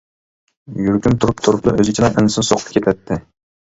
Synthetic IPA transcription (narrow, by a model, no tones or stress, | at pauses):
jyɾkʲymt̪ʰuɾup̚t̪ʰuɾuplˠɑ̰ʔøzɪt͡ʃʰid̪ɑʔɪnsɪnsoqʰʊ̥p̚kʰʲet̪ʰɛt̪ʰːɪ